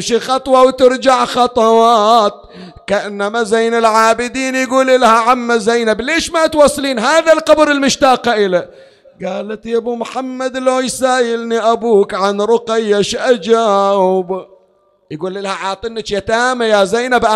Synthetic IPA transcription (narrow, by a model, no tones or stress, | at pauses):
mʃixɑt̪ˤwɑwt̪ɪɾd͡ʒaʕxɑt̪ˤɑwɑːt̪̚ | kaʔɪnːamazajnalʕaːbɪd̪iːnjɡuːlɪlahaʕamːazajnableːʃmat̪wɑsˤːliːnɦaːðalqɑbɾɪlmʊʃt̪aːqaʔɪla | ɡaːlat̪jabumħamːad̪loːjsaːjɪlniʔabuːkʕanɾʊqɪjːaʃʔad͡ʒaːwb | jɡuːlːilahaʕɑːt̪ˤɪnːɪtjat̪aːmajazajnabʔa